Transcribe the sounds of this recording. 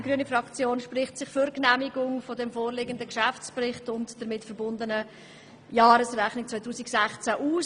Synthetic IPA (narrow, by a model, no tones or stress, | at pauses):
ɡ̥ɾyːənifrɑkt͡sjoːnʃprɪχtsɪχfʏɾknæmiɡʊŋfɔdɛmfoːɾleːɡəndəkʃæft͡sprɪχtʊntd̥əɾmɪtfəɾbʊndənə | jɑːɾəsrɛχnɪk̚t͡sʋaɪtʰuːsɪksæχt͡sæʔuːs